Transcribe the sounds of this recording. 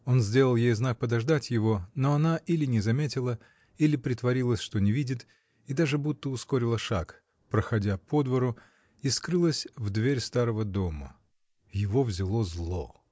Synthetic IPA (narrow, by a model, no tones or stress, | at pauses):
o̞nzʲdʲeəlˠjejznak̚pəd̪ɐʐd̪atʲjɪvo̞no̞ɐnaʔilʲɪnʲɪzɐmʲetʲɪlˠə | ilʲɪpɾʲɪt̪vɐɾʲilˠəsʲʂt̪o̞nʲɪvʲidʲɪt̪ | id̪aʐɨbut̪ːəʊskoɾʲɪlˠəʂak | pɾəxɐdʲapo̞d̪vəɾʊ | iskɾɨlˠəsʲvd̪vʲeɾʲst̪aɾəvəd̪o̞mə̰ | jɪvo̞vzʲɪlˠo̞zlˠo̞̰